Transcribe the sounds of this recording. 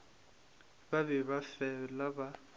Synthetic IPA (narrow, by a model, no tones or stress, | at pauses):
babɛβafɛlaba